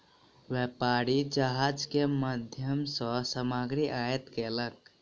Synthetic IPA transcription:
wepaːɾid͡ʒaɦad͡ʒkeməd̪ʱjəmsə̃səmaɡɾiʔaːjət̪kelək

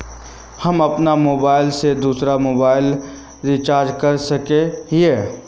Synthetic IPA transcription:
hɐmɐpnamoːbaːɪlsed̪uːsɾamoːbaːɪl | ɾit͡ʃaːɾd͡ʒkɐɾsɐkẽɦiɛ

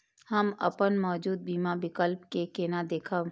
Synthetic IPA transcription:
hɐmɐ̰pənmɔːd͡ʒuːd̪̚biːmabɪkəlpkekeːnad̪eːkʰaː

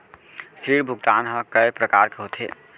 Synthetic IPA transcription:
sɾiːɾbʱʊɡt̪aːnɦə̃kəepɾəkaːɾkeɦot̪ʰḛ

